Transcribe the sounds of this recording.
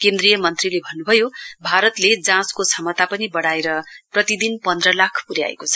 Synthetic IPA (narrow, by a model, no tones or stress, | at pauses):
kend̪rijʌmʌnt̪rilebʱʌnːubʱʌjobʱaɾʌt̪led͡zãskot͡sʰʌmʌt̪apʌnibʌɽaeɾʌprʌt̪id̪inpʌnd̪rʌlakʰpuɾja̰ḛkot͡sʰʌ̥